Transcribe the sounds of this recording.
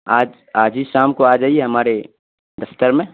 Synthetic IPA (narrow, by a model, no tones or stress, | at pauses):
aːd͡ʒ | aːd͡ʒʱiʃaːmkoaːd͡ʒaːiɛɦɐmaːɾe | d̪ɐft̪əɾmẽ